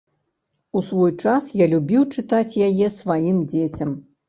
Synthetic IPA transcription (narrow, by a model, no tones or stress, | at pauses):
usvɔjt͡ʂasjalʲubʲiwt͡ʂɨt̪at͡sʲjajɛsvajimd͡zʲet͡sʲɐm